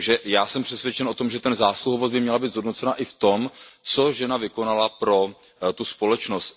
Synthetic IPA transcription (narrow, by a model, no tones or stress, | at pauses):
ʒɛjaːsɛmpr̥ɛsvʲjɛt͡ʃɛnʔo̞t̪o̞mʒɛt̪ɛnzaːsluɦovozbɪmɲɛlabiːt̪zɦo̞dnot͡sɛnaʔɪft̪o̞mt͡so̞ʒɛnavɪko̞nalapɾo̞ | t̪uspo̞lɛt͡ʃnost̪